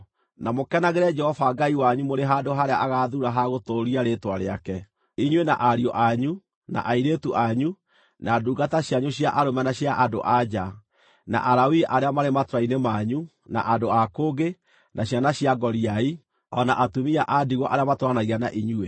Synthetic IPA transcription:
namokɛnaɣeɾɛd͡ʒɛhɔfaɡaiwaɲumoɾeɦandoɦaɾeaʔaɣaðuɾaɦaɣotoɾiaɾetwaɾeakɛ | iɲwena̰ʔaɾiɔʔaɲu | na̰ʔaiɾetuʔaɲu | naːduːɡataɕjaɲuɕjaʔaɾomɛnaɕjaʔado̰ʔad͡ʒa | na̰ʔaɾawiʔaɾeamaɾematoɾainemaɲu | na̰ʔadoakoːɡe | naɕjanaɕjaɡɔɾiai | ɔnaʔatumiaʔadiɣɔʔaɾeamatwanaɣianaʔiɲue

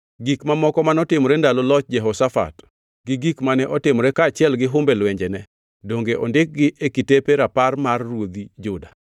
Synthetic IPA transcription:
ɡikmamɔkɔmanɔtɪmɔɾendalolɔt͡ʃ̚d͡ʒɛɦɔsafa̰t | ɡɪɡikmanɛʔɔtɪmɔɾɛkaːt͡ʃɪɛlɡɪɦʊmbɛlwɛɲd͡ʒɛnɛ | doŋɡeʔɔndɪk̚ɡɪʔekitepeɾaparmarːwod̪id͡ʒʊda

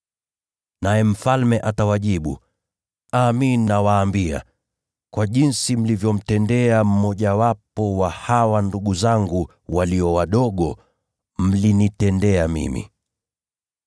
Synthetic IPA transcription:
najɛm̩falmɛʔatawaʄiɓṵ | aminːawaːmbia̰ | kwaʄinsim̩livjɔm̩tɛndɛam̩mɔʄawapɔwahawanduɠuzaŋɡu | waliɔwaɗɔɠɔ | m̩linitɛndɛamḭmḭ

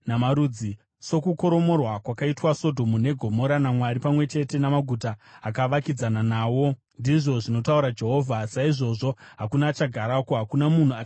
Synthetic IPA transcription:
namaɾud͡zi | so̞kuko̞ɾo̞mo̞rwakwakaitwaso̞dʱo̞mune̞ɡʱo̞mo̞ɾanamwaɾipamwe̞t͡ʃe̞te̞namaɡʱutaːkaʋakid͡zananaːwo̞ | ndiʐo̞ʐino̞tauɾad͡ʒe̞ɦo̞ːvʱasaiʐo̞ʐo̞ɦakunat͡ʃaɡʱaɾakoɦakunamun̤ua

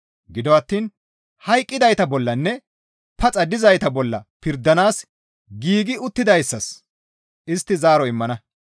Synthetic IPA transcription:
ɡɪd̪ɔɐt̪ːiːn | hɐjkʼːɪd̪ɐjt̪ɐbɔlːɐnːɛ | pɐt͡sʼɐd̪ɪzɐjt̪ɐbɔlːɐ̰pɪɾd̪ːɐnaːs | ɡiːɡɪʊt̪ːɪd̪ɐjsːɐs | ʔɪst̪ːɪzaːɾɔɪmːɐnɐ

